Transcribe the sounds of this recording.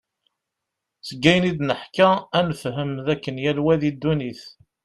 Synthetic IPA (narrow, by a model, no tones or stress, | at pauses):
səɡːæjnid̪nəħkæænəfɦəmðækːənjælwæðid̪ːuniθ